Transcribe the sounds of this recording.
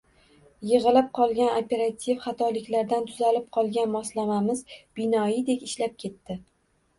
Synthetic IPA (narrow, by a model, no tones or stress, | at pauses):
jɨʁɨlɪp̚qʰɒlˠɡʲanopʰe̞ɾat̪ʲʰivχɑt̪ʰɒlɪkʲlaɾd̪ant̪ʰʊzalɪp̚qʰɒlˠɡʲanmɒslamamɪzbɪnɒjɪd̪e̞kʲɪʃlap̚kʲʰe̞t̪ːɪ